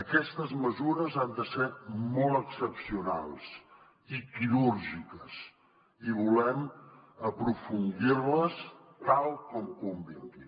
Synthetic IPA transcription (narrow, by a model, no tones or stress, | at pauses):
əkɛst̪əzməzuɾəzand̪əsermɔlˠt̪əksəpsiuna̰lˠs | ikiɾuɾʒikəs | iβulɛməpɾufund̪irləs | t̪alˠkɔmkumbint̪i